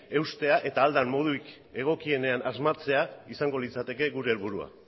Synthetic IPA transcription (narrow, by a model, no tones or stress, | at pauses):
e̞wst̪e̞aʔe̞t̪aːld̪ammo̞ð̞uik | e̞ɣ̞o̞kie̞ne̞anʔazmat͡se̞aisaŋɡo̞lit͡sat̪e̞ke̞ɣuɾe̞ːlβuɾua̰